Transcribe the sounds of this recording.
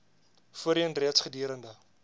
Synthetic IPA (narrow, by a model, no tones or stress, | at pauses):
fuəɾiənriətsχədiəɾəndə